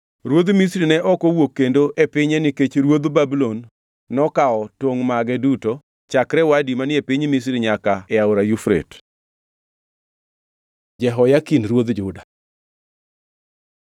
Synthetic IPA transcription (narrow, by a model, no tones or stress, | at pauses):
ɾwod̪misɾinɛʔɔkowokːendoʔepɪɲeniket͡ʃɾwod̪babilonː | ɔkaɔtoŋmaɡɛduto | t͡ʃakɾɛwadimanɪepɪɲmis̬ɾiɲakaɛaʊɾajufɾḛt | d͡ʒɛɦɔjakinɾwod̪d͡ʒʊda